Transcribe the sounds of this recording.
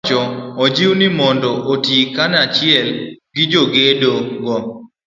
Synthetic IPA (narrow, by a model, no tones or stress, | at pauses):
t͡ʃɔɔd͡ʒiwnɪmɔndɔʔotikanat͡ʃɪɛlɡɪd͡ʒoɡedoŋɡɔ